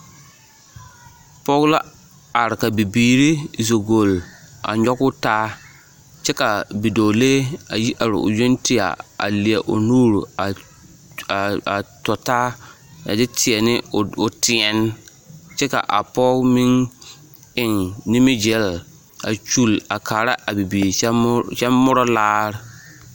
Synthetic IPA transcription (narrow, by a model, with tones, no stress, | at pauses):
pɔ˦ɣla˦ | a˨ɾɪ˨ka˨bi˨biː˨ɾi˦zo˨ɡo˨la̰˨ɲɔ˦kʊ˦taː˦ | t͡ʃɛ˦ka˨bi˨doː˨le˦a˨ji˦ʔa˨ɾɪ̰˨ʔʊ̰˨jo˦nti˦a̰˨a̰˨lɪ˨a˨ʔʊ̰˨nuː˦ɾu˨a˨ | a˨tɔ˨taː˦ | a̰˨dɪ˦tʰɪ˨ɛ˨nɪ˦ʊ˨tɪ˨ɛ˨n˦ | t͡ʃɛ˦ka̰˨ʔa˨pɔː˦mi˦ŋ | ɪ˦ŋni˦mɪ˦d͡ʒɛ˨˦˨l | a̰˨t͡ʃu˦˨la˨kaː˨ɾa˦ʔa˨bi˨biː˨˦ʃɛ˦mːʊ˦ɾɔ˦laː˦ɾɪ˦